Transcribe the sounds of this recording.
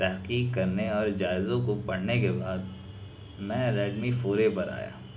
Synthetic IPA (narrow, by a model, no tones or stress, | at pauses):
t̪ɛɦqiːkkɐɾneɔːɾd͡ʒaːɪzõkopɐɽ̤nekebaːd̪̚ | mɛ̃ɾɛːɖmifoːɾepɐɾa̰ːja̰ː